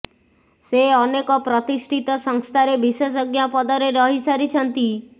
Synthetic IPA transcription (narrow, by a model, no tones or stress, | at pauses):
seɔnekɔpɾɔt̪isʈʰit̪ɔsɔŋst̪ʰaɾebisɔsɔɡjapɔd̪ɔɾeɾɔɦisaɾit͡ʃʰɔnt̪i